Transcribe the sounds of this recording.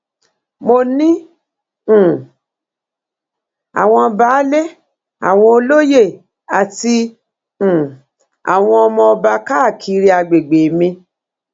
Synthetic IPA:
mo˧nĩ˦˨ | a̰˨w̃ɔ̃˧ba˨˦le˦ | a̰˨w̃ɔ̃˧o˧lo˦je˦˨ | a˨tĩ˧˨ | a̰˨w̃ɔ̃˧ɔ˧mɔ̃˧ɔ˧ba˧ka˦˨kʰi˧ɾi˧a˧ɡ͡be˨ɡ͡be˨mĩ˧

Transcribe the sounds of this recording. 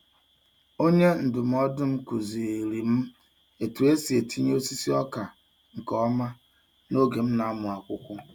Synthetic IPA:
o˦ɲe˦n̩˨dʊ˨m̩˦ɔ˦dʊ˦m̩˦ku˨zi˨e˨ɾi˨m̩˦ | e˨tu˨e˦si˨e˨ti˦ɲ˦o˦si˦si˦ɔ˦ka˨ | ŋ̩˨kɔ˦ma˦ | no˦ɡe˨m̩˦na˨a˦mʊ˨a˨kʷʊ˦kʷʊ˦

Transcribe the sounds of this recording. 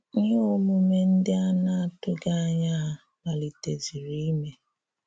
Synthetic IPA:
o˦mʊ˨˦me˦n̩˦dɪ˦a˦na˦a˨tʊ˦ɡa˦ɲa˦a˦˨ | ma˨li˨te˨zi˨ɾi˦i˦me˦

